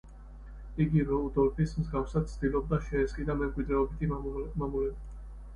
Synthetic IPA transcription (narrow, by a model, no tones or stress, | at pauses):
iɡivɛud̪ɔɾpʰismzɡafsad̪̚tsʰd̪̥ilˠɔb̚d̪aʃɛːskʼid̪amɛmkʼwid̪ɾɛɔbit̪ʰimamulɛdi